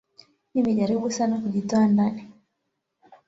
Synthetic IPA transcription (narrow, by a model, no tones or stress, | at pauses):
nimɛʄaɾiɓusanakuʄitɔandani